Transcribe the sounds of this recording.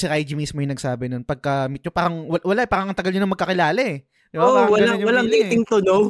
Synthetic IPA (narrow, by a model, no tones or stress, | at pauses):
sɪʔajd͡ʒimiːsmojŋnɐɡsaːbɪno̞npɐɡ̚kɐmit̪̚ɲopaːɾɐŋwɐwɐlaʔɛpaːɾɐŋʔɐŋt̪ɐɡɐlɲonɐŋmɐɡ̚kːɐkɪlaːlɐʔɛ | d̪oʔawɐlaɲwɐlɐŋd̪ɛt̪ɪŋt̪ʊnow